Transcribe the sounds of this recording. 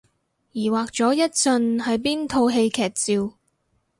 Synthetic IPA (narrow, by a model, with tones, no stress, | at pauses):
jiː˨˩waː˨k̚t͡sɔː˨˥jɐ˥t̚sɵ˧nhɐ˨jpiː˥nt̪ʰo˧wɦe˧jkʰɛː˨k̚t͡siː˨˧w